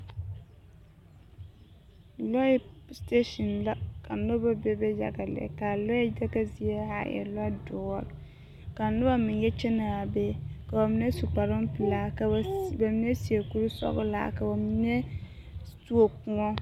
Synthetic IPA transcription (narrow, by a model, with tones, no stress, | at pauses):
lɔ˦ste˦ʃɔ˨nla˦ka˨nʊ˦ba˦bɛ˦bɛ˦ja̰˨ɡa˨lɛ̰˨ka˨lɔ˦i˦d͡ʒɛ˦ɡa˦zi˨e˦ha˨jɛ̰˨lɔ˦dʊ˨ɔ˦˨ | ka˨nʊ˦ba˦mɪ̃˨njɛ˦t͡ʃɛ˦na˨a˨bɛ˦ka˨ba˨mi˦nɛ˦su˨k͡pa˨ɾʊ˦m˦pi˨la˦ka˨˦ba˨mi˦nɛ˦si˨e˨ku˦ɾu˦sɔ̰˦ɡʊ̰˦la̰˦ka˨ba˨mi˦nɛ˦ | tu˦o˦kũ˨ɔ˦